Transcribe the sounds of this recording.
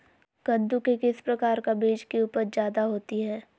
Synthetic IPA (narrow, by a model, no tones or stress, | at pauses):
ɡ̥ɐ̃nd̪ukekɪspɾɐkaːɾkabeːd͡ʒkeuːpəɾd͡ʒjaːd̪aɦoːt̪iɦɛː